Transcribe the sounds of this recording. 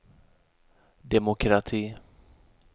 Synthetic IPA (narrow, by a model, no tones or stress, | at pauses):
d̪ɛmʊkʰɾat̪ʰiː